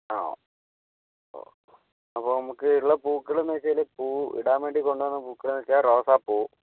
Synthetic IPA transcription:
a | o̰ | ɐpːoːnɐmukːɨiɭːɐpuːkːɐɭumeːt͡ɕːɐlepuːḭɽaːmeɳɖikoɳɖuʋɐnːɨpuːkːɐɭumet͡ɕːaːroːsaːpːoː

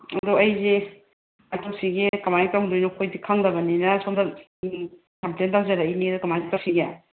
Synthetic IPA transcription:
ɐduɐjzi | ajtop̚siɡikɐmajitawɡdojnɐkʰojdikʰaŋdɐbɐninɐsomdɐ | kɐmplentawzɐɾainidukɐmajɡitasiɡja

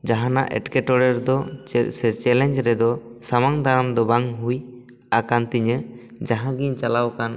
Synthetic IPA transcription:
d͡ʒaɦana̰ʔɛ̰ʈkɛʈɔɽɛɾd̪ɔsɛt͡ʃɛlɛɲd͡ʒɾɛd̪ɔsamaŋd̪ʱaɾamd̪ɔbaŋɦuj | akant̪iɲə | d͡ʒaɦãɡiɲt͡ʃalawkan

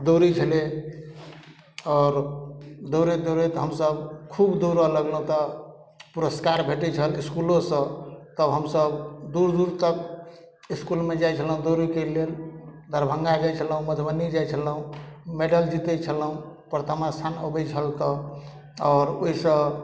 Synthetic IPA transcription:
d̪oɾit͡ʃʰəle | ɔːɾd̪oɾed̪oɾet̪ɦəmsəbkʰubd̪oɾələɡləɦũt̪ə | puɾəskaɾbʱeʈɛt͡ʃʰəliskulõsə̃t̪əbɦəmsəbd̪uɾd̪uɾt̪ək̚ | iskulmed͡ʒajt͡ʃʰəlɦũd̪oɾikeleld̪ʱəɾbʱə̃ŋɡaɡət͡ʃʰəlɦũməd̪ʱbənid͡ʒajt͡ʃʰələɦũmeɖəld͡ʒit̪ɛt͡ʃʰəlɦũpɾt̪əmast̪ʰanəbət͡ʃʰəlt̪ə | ɔːɾoɦisə̃

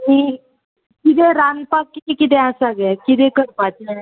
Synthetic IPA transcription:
mi | kit̪ɛ̃ɾanpakːit̪ikit̪ɛ̃asaɡɛkit̪ɛ̃kəɾpat͡ɕe

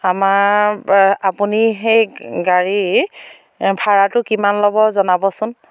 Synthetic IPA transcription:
amaɹ | apunixejɡaɹi | bʱaɹatʊkimanlɔbɔzɔnabɔsʊn

